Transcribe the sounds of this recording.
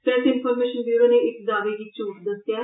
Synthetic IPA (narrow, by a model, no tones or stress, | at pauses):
pɾɛsɪnpʰɔːɾmeːʃənbjuːɾoːneːɪkd̪aːʋeːɡiːt͡ʃuːkd̪əsjaː